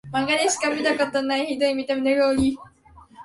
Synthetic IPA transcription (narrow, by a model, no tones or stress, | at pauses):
mãŋɡad̪eɕi̥kamʲit̪akot̪onaiçid̪oimʲit̪emneɡoɾʲi